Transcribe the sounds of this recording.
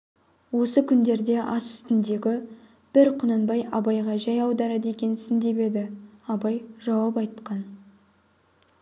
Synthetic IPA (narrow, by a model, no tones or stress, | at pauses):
wo̞səkʲʰʏnd̪e̞ɾd̪e̞ʔɑsʏ̥st̪ɪnd̪e̞ɡʲɪ | b̥ɪɾqʰʊnənbɑjɑbɑjʁɑʒɑjɑwd̪ɑɾɑd̪əe̞kʲe̞nsɪnd̪e̞be̞d̪ɪɑbɑjʒɑwɑpɑjt̪qɑn